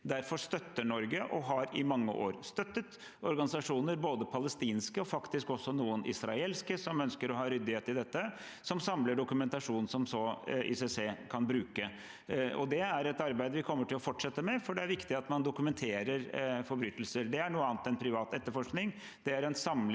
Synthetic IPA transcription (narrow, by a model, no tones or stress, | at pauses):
d̪æɾfɔʂt̪œt̪ːəɳɔɾɡəʔɔɦɑɾɪmɑŋːə̰ʔo̰ːɾst̪œt̪ːət̪ | ɔɾɡɑnɪsɑʂuːnəɾboːd̪əpʰɑləst̪iːnskəɔfɑkt̪ɪskɔsːɔnuːənʔɪ̰sɾɑeːlskəsɔmœnskəɾɔɦɑːɾʏd̪ːɪheːt̪ɪd̪ɛt̪ːə | sɔmsɑmləɖʊkʉmɛnt̪ɑʂuːnn̩sɔmsɔʔɪ̰sɛseːkʰɑnbɾʉːkə | ɔ̰d̪ɛæɾɛt̪ɑɾbæɪd̪əʋɪkʰɔmːəʈʰɪlɔfɔʈʂɛt̪ːəmɛfɔɖɛæɾʋɪkt̪ɪɑt̪mɑnd̪ʊkʉmɛnt̪ʰeːɾəɾfɔɾbɾyːt̪əl̩səɾɖ̪ɛæɳuːəɑːnt̪ɛnpʰɾɪʋɑːt̪ɛt̪ːəɾfɔʂknɪŋ | d̪̥ɛæɾɛnsɑm